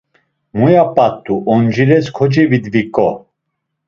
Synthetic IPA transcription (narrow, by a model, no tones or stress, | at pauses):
mujapʼat̪ʼːuʔɔnd͡ʒiɾɛskʰɔd͡ʒivid̪vikʼɔ